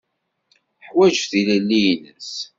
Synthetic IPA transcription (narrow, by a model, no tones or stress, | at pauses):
ħwæʒəfθilælːijnəs